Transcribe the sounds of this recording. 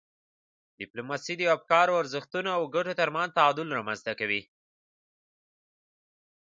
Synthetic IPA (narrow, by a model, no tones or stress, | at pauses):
d̥ɪplomɑsid̪əwab̚kɑɾaaɾzəxt̪unaawɡaʈot̪aɾmanzt̪aɑd̪ʊlɾɑmanz̥t̪akawi